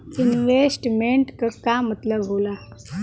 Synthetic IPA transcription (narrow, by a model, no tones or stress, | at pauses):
inʋesʈmeɳʈkəkamət̪ləbɦola